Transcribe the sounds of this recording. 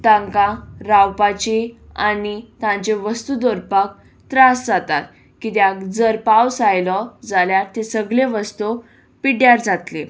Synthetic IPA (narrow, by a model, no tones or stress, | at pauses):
t̪ãŋkaɾawpat͡ɕeanit̪ãɲt͡ɕeʋəst̪ud̪oɾpək̚ | t̪ɾasd͡zat̪at̪ | kit̪jakd͡zəɾpawsajlɔd͡zaljaɾt̪esəɡleʋəst̪o | piɽjaɾd͡zat̪le